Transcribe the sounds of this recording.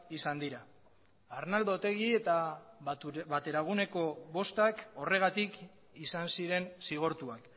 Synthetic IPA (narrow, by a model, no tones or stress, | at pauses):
isand̪iɾaː | ɾnald̪ot̪e̞ɣie̞t̪a | bat̪e̞ɾaɣ̞uneko̞βo̞st̪ako̞re̞ɣat̪ik | isansiɾe̞nsiɣ̞o̞ɾt̪uak